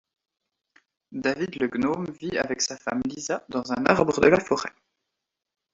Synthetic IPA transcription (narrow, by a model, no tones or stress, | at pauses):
d̪avid̪ləɡnomvia̰vɛksafa̰mlizad̪ɑ̃zɛ̃naʁbʁəd̪əlafɔʁɛ